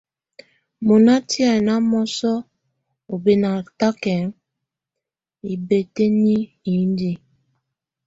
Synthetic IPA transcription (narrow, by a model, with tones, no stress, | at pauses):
mo˨na˦ti˦a˨na˦mɔ˦sɔ˦ | o˨be˦na˨ta˦kɛ˨˦n | i˨be˨te˦ni˦ | i˨˦n˦di˦